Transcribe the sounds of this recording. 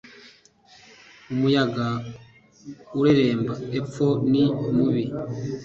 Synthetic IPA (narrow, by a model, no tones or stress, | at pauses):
umujaɡa | uɾeɾe̞ːmbaep͡fo̞nimuβi